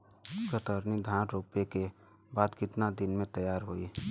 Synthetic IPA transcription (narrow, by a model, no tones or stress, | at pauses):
kət̪əɾnid̪ʱãːʈɾoːpeke | baːd̪kɪʈnad̪ɪnmẽt̪əjaːɾɦoi